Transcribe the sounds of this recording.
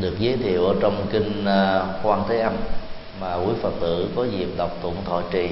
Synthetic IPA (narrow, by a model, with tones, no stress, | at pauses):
ɗɨ˨˩ək̚zəː˨˦jt̪ʰḭ˧˨əwʔəː˧˦t͡ɕɔ˧wŋ͡mki˧ŋ̟˧kwaː˧nt̪ʰe˨˦ʔa˧m | maː˨˩ki˧˨˩fə˨˩t̚t̪ɨ̰˧˨kɔ˨˦zḭ˨˩əp̚ɗa˨˩wk͡p̚t̪ə̰˧˨ənt̪ʰo̰˧˨jt͡ɕḭ˧˨